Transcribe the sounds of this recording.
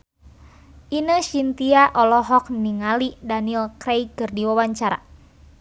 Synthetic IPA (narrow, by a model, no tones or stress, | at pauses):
ʔinəʃint̪iaʔɔlɔɦɔk̚niŋalidanilkɾɛjkɨrdiwawaɲt͡ʃaɾa̰